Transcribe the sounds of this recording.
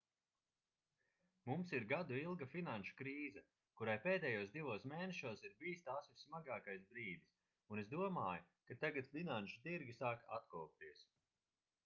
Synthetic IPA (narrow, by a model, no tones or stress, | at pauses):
mumsiɾɡad̪uilˠɡafinanʃu̥kɾiːzɛ | kuɾajpeːd̪ɛːjuɔzd̪ivuɔsmeːnɛʃuɔːsiɾbijst̪aːsvissmaɡaːkajsbɾiːd̪is | unesd̪uɔmaːju | kat̪aɡat̪fʲinanʃu̥t̪iɾɡʲisaːkat̪̚kɔːp̚t̪iɛs